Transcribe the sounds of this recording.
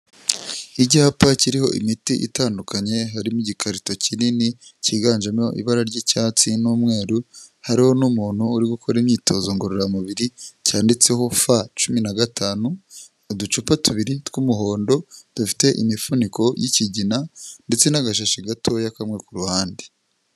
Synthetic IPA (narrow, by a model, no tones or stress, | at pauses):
iɟihapaciɾiho̞̰ʔḭmitiʔḭtaːndukʰaɲe̞ɦaɾimuɟikʰaɾito̞cininiciɡaːɲʒamo̞ʔḭβaɾaɾɟiːcaːt͡sinuːmŋe̞ːɾu | haɾiho̞numuːn̥huːɾiɡukʰo̞ɾimɲiːto̞zoŋɡoɾoɾamuβiɾicaːndit͡se̞ho̞fat͡ʃuminaɡatʰaːnu | dut͡ʃupatuβiɾitwumuɦo̞ːndo̞d̥ufi̥te̞ʔḭmifuniko̞jiciɟinande̞t͡se̞naɡaʃaʃiɡatʰo̞jakamŋe̞kuɾuhaːndi